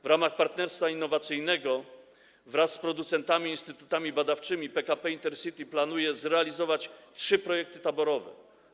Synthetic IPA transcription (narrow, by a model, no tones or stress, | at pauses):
vɾamaxpaɾt̪nɛɾst̪fainːɔvat̪sɘjnɛɡɔ | vɾasːpɾɔd̪ut̪sɛnt̪amʲiːnst̪ɘt̪ut̪amʲibad̪aft͡ʂɘmʲipɛkapɛint̪ɛɾsɘt̪ʲiplanujɛzɾɛalʲizɔvat͡ɕtʂɘpɾɔjɛk̚t̪ɘ̥t̪abɔɾɔvɛ̰